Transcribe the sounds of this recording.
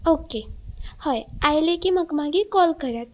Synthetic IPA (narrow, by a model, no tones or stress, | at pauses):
okehɔjajlekiməkmãɡikɔlkəɾat̪